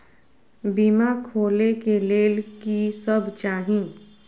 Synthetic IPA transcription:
biːmakʰoːlekeleːlkisəbt͡ʃaːɦĩ

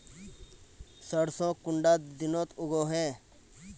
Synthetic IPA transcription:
səɽsõːkʊɳɖat̪d̪ɪnot̪ʊɡoɦeː

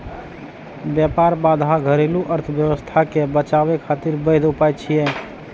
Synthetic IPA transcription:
bjapaɾbad̪ʱaɡʱəɾeluʔəɾt̪ʰəbjəwəst̪ʰakebət͡ʃabekʰat̪iɾbəd̪upajt͡ʃʰijɛ

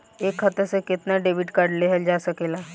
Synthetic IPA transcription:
eːkxɐt̪əsekɪt̪naɖeːbɪʈkaɾɖleɦəld͡ʒaːsɐkeːlaː

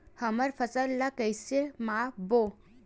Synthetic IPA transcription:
həməɾfʰəsəlːakəjsemabo

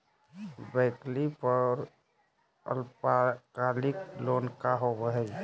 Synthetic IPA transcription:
bəɪklipəɾ | ə̰lpkalɪklonkaɦobəɦɛ

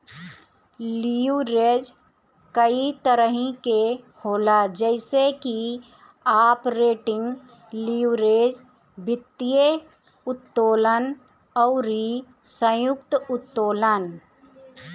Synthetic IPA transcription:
liːɾeːd͡ʒ | kəit̪əɾəɦĩke | hoːlad͡ʒɛɪseki | aːpɾeːʈɪ̃ŋɡ | liːɾeːd͡ʒ | bɪt̪ːije | ʊt̪ːoːlən | ɔʊɾi | sə̃jʊk̚t̪ʊt̪ːoːlən

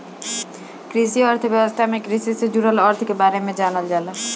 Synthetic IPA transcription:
kɾisiɔɾt̪ʰobɛbost̪ʰamekɾisised͡ʒuɾolɔɾt̪ʰkebaɾemed͡ʒanald͡ʒala

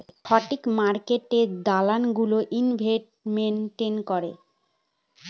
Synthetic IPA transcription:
ʃɔʈikmaɾkeʈed̪alanɡuloʔinbʱeʈmenʈenkɔɾḛ

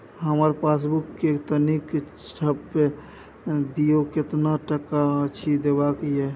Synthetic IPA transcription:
ɦəməɾpas̬bukːekt̪ənik | t͡ʃʰəbːe | d̪ijoket̪naʈəkːaət͡ʃʰid̪ebakje

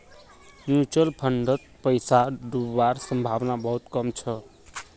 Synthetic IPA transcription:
njut͡ʃʌlpʰʌɳɖʌt̪̚pʌjsaɖuwarsʌmbʱabnabʌɦut̪kʌmt͡sʰʌ

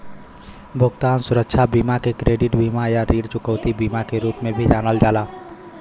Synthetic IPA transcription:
bʱʊɡt̪aːnsʊɾəkʃʰabiːmakekɾeːɖɪʈbʱiːmajaɾiːɽt͡ʃʊkəʊt̪ibiːmakeɾuːpmẽbʱid͡ʒaːnəld͡ʒaːlaː

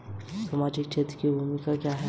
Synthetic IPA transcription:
sɐmaːd͡ʒik̚t͡ʃʰet̪kibʱumikakjaɦɛ

